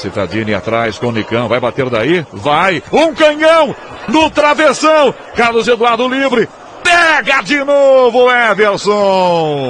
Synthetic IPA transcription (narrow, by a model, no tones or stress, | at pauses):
sit̪a̰d͡ʒĩnia̰t̪ɾajskõnikɐ̃w̃vajbat̪eɾd̪aivajũkɐ̃ɲɐ̃w̃ | nʊt̪ɾavesɐ̃w̃ | kaɾɐd̪ʊzed̪ʊad̪ʊlivɾɪ | pɛɡɐd͡ʒɪnovʊɛveɾsõ